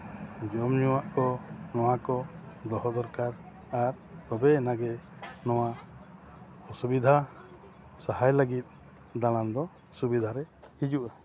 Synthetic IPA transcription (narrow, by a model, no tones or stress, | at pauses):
d͡ʒɔmɲuwaʔkɔnɔwakɔd̪ɔɦɔd̪ɔɾkaɾ | aɾ | t̪ɔbɛːnaɡɛnɔwa | ɔsubid̪ʱa | saɦajlaɡit̪̚ˀ | d̪aɽ̃and̪ɔ | subid̪ʱaɾɛhid͡ʒuʔa